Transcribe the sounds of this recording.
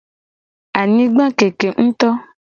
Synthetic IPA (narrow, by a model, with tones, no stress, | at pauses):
a˨nĩ˦ɡ͡bã˦ke˨ke˨ŋ̩̃˦t̪ɔ˦